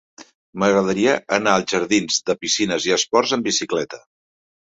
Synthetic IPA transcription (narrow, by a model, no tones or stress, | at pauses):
məɣɾəðəɾiəʔənaəlˠʒəɾðinzðəpisinəziəspɔrzəmbisiklɛt̪ə̥